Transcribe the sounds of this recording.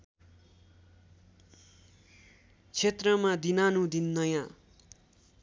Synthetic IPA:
t͡sʰet̪rʌmad̪inanũd̪inːʌjã

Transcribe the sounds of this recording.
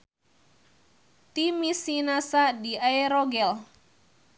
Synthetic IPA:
t̪imisinasadiajɾɔɡɛl

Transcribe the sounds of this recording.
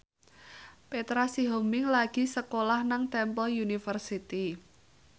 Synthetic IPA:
pet̪ɾasiɦomɪŋlaɡ̥i̤səkolahnaŋt̪ɛmpəljunifərsit̪i

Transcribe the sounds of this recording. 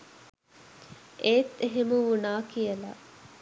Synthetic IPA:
ʔeːt̪ːeɦemuunaːkijəla̰

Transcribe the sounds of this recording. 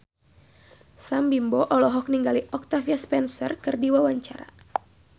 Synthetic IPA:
sambimbɔʔɔlɔɦɔk̚niŋɡaliʔɔk̚t̪afiaspɛnsɔrkɨrdiwawaɲt͡ʃaɾa̰

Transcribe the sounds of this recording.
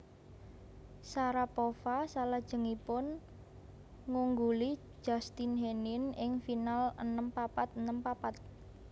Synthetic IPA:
saɾapofasalad̥ʒ̥ə̤ŋipʊn | ŋuŋɡuli̥ | ʒ̥a̤st̪inɦenɪnɪŋfinalənəmpapat̪̚ənəmpapat̪̚

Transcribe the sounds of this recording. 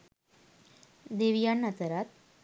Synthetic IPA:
d̪eʋijanːət̪əɾat̪̚

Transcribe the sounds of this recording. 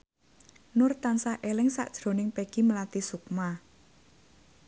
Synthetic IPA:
nʊrt̪ansahʔelɛŋsa̰ʔd̥ʒ̥ɾo̤nɪŋpeɡ̥iməlat̪isukma

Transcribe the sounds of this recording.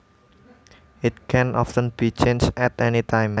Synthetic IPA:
ɪt̪̚kʰɛ̃nʔɔftə̃nb̥it͡ʃẽnd͡ʒɛtɛnit̪ʰãɪm

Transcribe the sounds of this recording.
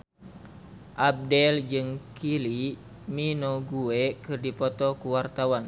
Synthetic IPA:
ʔab̚dɛld͡ʒɨŋkʰili | minoɡuekɨrdipɔt̪ɔkuwart̪awan

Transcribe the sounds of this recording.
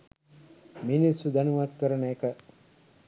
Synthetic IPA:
minisud̪ænuʋat̪kəɾənəekə

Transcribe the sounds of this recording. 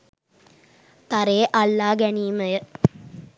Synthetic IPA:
t̪aɾeːʔalːaːɡæniːməjə

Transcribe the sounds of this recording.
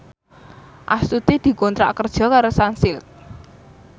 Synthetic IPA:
ʔasut̪id̪̥i̤kont̪ɾa̰ʔkərd̥ʒ̥ɔ̤kaɾosansɪlt̪̚

